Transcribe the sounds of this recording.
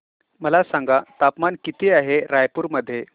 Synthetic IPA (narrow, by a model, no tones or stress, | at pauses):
məlasãŋɡat̪apmankit̪iaɦeɾajpuɾməd̪ʱːje